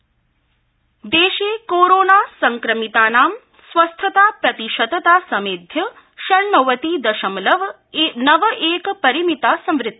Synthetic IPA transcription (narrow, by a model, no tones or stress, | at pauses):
d̪eːʃeːkoːɾoːnaːsɐŋkɾɐmit̪aːnaːm | sʋɐst̪ʰɐt̪aːpɾɐt̪iʃɐd̪ɐt̪aːsɐmeːd̪ʱjɐ | ʃɐɾnɐʋɐt̪iːd̪ɐʃɐmlɐʋ | enɐʋʔeːkpɐɾimit̪aːsɐ̃mʋɾɪt̪ːɐ